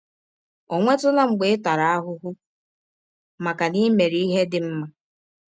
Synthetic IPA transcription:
ɔ˨ŋʷe˦tʊ˦na˦ŋ͡m̩˨ɡ͡be˨ɪ˦ta˨ɾa˨a˦ɦʊ˦ɦʊ˦ | ma˨ka˨ni˦me˨ɾi˦i˦ɦe˦dɪ˨m̩˦ma˦

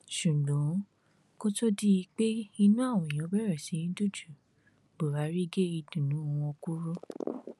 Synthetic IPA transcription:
ʃu˨ɡɔ̃˨˦ | ko˦to˦di˦i˧k͡pe˦i˧nũ˦a˦˨w̃ɔ̃˨i˨j̃ɔ̃˨˦bɛ˦ɾɛ˦˨sĩ˨˦ĩ˦du˦˨d͡ʒu˨ | bo˨ɾa˨˦ɾi˦ɡe˦i˧dũ˨nũ˨˦˧wɔ̃˧ku˦ɾo˦

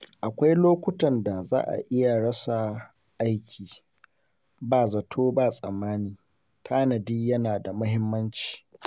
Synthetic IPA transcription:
ʔa˨kʷa˦jloː˦kʷʊ˦tɐ˨nda˨za̰ː˦ʔa̰˨ʔɪ˦ja˨ɽɐ˦sa˨ | ʔa˦jkʲʰiː˨ | baː˦˨zɐ˨tʰoː˦baː˦˨sʼɐ˨mːaː˦niː˨ | tʰaː˦nɐ˨diː˦jɐ˦naː˨da˨mʊ˦hɪ˦mːɐ˦nt͡ʃi̥ː˨

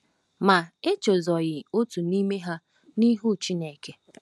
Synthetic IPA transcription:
ma˨e˦t͡ʃo˨zɔ˨ɣɪ˨o˦tu˨ni˦me˦ɦa˦ | ni˦ɦu˦˨t͡ʃi˦ne˨ke˦

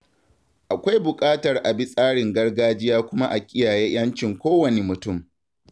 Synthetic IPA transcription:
ʔa˨kʷa˦jbʊ˨kʼaː˦tɐ˨rʔa˨bi˦sʼaː˦ɽɪ˨ŋɡɐ˦rɡaː˦d͡ʒɪ˦jaː˦kʷʊ˦ma˦ʔa˨kʲʼɪ˦jaː˨jeː˦j̰ɐ˦nt͡ʃɪ˨ŋkʷoː˦wɐ˨ne˨mʊ˨tʊ˦˨m

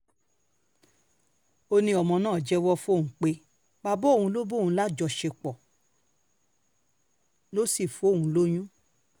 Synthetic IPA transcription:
o˧nĩ˧ɔ˨mɔ̃˧nãː˦˨d͡ʒɛ˦wɔ˦fo˦˨ũ˨˦k͡pe˧˦ | ba˧bo˦˨ũ˧˦lo˦bo˦˨ũ˧˦la˦d͡ʒɔ˧˨ʃe˧k͡pɔ˨ | lo˦si˦˨fo˨˦˨ũ˨˦lo˦j̃ũ˦

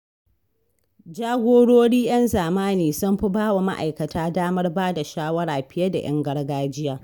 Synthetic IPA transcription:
d͡ʒaː˦ɡʷoː˦ɽoː˦ɽiː˦j̰ɐ˦nzaː˨maː˦niː˨sʊ˦mɸɪ˦baː˦wa˨ma̰˦ʔa̰˨jkɐ˨tʰaː˦daː˦mɐ˦rbaː˦da˨ʃaː˦wɐ˦ɽaː˨ɸɪ˦jɐ˦da̰˨j̰ʔɐ̰˦ŋɡɐ˦rɡaː˦d͡ʒɪ˦jaː˦

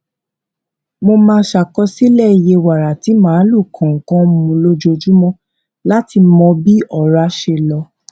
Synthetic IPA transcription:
mo˧mãː˧˦ʃa˨kɔ˧si˦lɛ˦˨i˨je˧wa˨ɾa˨ti˨˦mãː˨˦lu˦˨kʰɔ̃˨ŋ̩˨kɔ̃˦mũ˧lo˦d͡ʒo˧d͡ʒu˦mɔ̃˦ | la˦ti˧mɔ̃˧bi˦ɔ˦˨ɾa˧˦ʃe˧˨lɔ˧

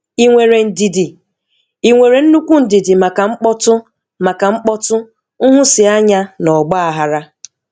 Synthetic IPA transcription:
i˨ŋʷe˨ɾe˨n̩˨di˨di˨ | i˨ŋʷe˨ɾe˨n̩˦nu˦kʷu˦n̩˨di˨di˨ma˨ka˨ŋ͡m̩˦k͡pɔ˦tʊ˦ | ma˨ka˨ŋ͡m̩˦k͡pɔ˦tʊ˦ | ʊ˦ɦʊ˦sɪ˨a˦ɲa˦nɔ˨ɡ͡ba˦a˨ɦa˨ɾa˦

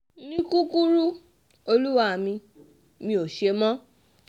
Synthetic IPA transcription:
nĩ˦ku˦ku˦ɾu˦ | o˧lu˦wa˦˨mĩ˧ | mĩ˧o˨ʃe˧mɔ̃˦

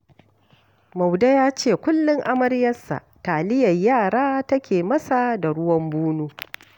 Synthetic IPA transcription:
mɐ˨wda˦jaː˦t͡ʃeː˦˨kʷʊ˦lːɪ˦ŋʔa˦mɐ˦ɾjɐ˦sːa̰˨taː˨lɪ˦jɐ˨jjaː˦˨ɽaː˦tɐ˦kʲeː˨mɐ˦sa˨da˨ɽʊ˦wɐ˦mbuː˦nuː˦

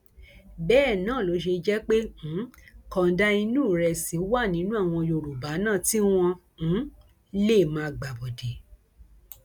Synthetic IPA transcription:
bɛː˦˨nãː˨˦˨lo˨˦ʃ̬e˧d͡ʒɛ˦k͡pẽ˦˨˦kɔ˨˦da˦i˧nũ˦˨ɾɛ˧si˨˦wa˦˨nĩ˨˦nũ˦a˦˨w̃ɔ̃˧jo˧˨ɾu˨ba˨˦nãː˦˨ti˦w̃ɔ̃˧˨˦ | le˦˨mãː˧˨ɡ͡ba˨bɔ˨de˨

